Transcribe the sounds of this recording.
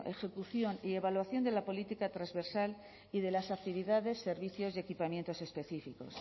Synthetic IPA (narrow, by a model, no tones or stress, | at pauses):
ʔe̞xe̞kuθjo̞nie̞βalwaθjo̞nd̪e̞lapo̞lit̪ikat̪ɾazβe̞ɾsal | iðe̞lasak̚t̪iβ̞iðaðe̞sːe̞ɾβiθjo̞zðe̞kipamje̞nt̪o̞se̞spe̞θifiko̞̰s